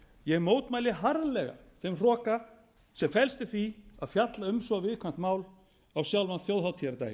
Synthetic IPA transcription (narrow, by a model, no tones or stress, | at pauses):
jɛmoːwt̪maːjlɪɦaɾlɛɣa̰θemr̥ɔːka | sɛmfɛlst̪ɪθviaðfjat̪laʏmsɔɣvɪðkʰvan̥t̪maːwl | awsjawlvanθjowðɦaw̪t̪ʰjɛɾt̪a̰ːj